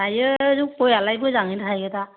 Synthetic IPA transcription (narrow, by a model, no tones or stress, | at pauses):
ajɯzuk̚pojalajbɔzaŋitʰajɛta